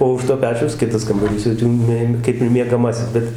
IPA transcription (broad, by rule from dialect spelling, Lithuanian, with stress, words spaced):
oː ʊʃ toː ˈpʲæːt͡ʃʲɛʊs ˈkʲɪtɐs kɐmbɐˈrʲiːs jɛʊ ˈtʲiː mʲeː ˈkɐɪp ɪr mʲiɛɡɐˈmɑːsʲɪs ˈbʲɛt